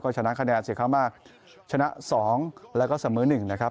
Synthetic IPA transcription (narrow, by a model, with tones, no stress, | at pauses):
kɔː˥˩t͡ɕʰa˧na˦˥kʰa˧nɛː˧nsi˨˩kʰa˥˩wmaː˥˩k̚ | t͡ɕʰa˧na˦˥ʔsɔː˩˦ŋlɛ˦˥wkɔː˥˩sa˨˩˦mɯː˨˦nɯ˨˩ŋna˦˥kʰa˦˥